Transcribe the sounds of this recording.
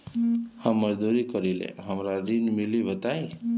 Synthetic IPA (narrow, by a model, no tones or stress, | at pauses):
hamːʌd͡ʒd̪uɾikʌɾilḛɦəmɾaɾinmilibət̪aj